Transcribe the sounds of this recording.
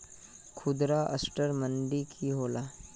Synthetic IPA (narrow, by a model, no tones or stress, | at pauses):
kʰʊd̪ɾaʔə̰sʈəɾməɳɖikʰiɦoːla